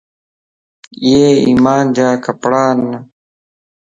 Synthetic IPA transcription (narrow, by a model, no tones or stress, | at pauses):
ieːḭːmaːnd͡ʑaːkɐpɽaːnːɐ